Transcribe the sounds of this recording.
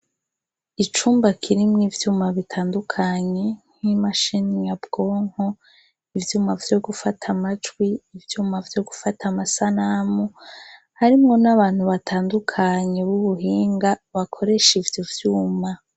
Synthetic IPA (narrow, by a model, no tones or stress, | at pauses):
it͡ʃuːmbakʰiɾimŋiːvjuːmaβitʰaːndukʰaɲe̞n̥himaʃinijabɡ̥o̞ːŋ̥ho | ivjuːmavjo̞ɡufatʰamad͡ʒɡwiːvjuːmavjo̞ɡufatʰamasanamu | haɾimŋo̞naβaːn̥huβatʰaːndukʰaɲe̞βuβuɦiːŋɡaβakʰo̞ɾe̞ʃivjovjuːma